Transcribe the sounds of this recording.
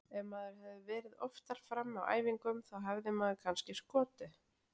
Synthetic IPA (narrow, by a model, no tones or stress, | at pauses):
ɛnmaːðʏɾ̥ɦɛvðɪvɛːɾɪðɔft̪aɾ̥fɾamːa̰wʔa̰ːjviŋkʏmθawɦavðɪmaːðʏkʰanscɪskɔːt̪ɪ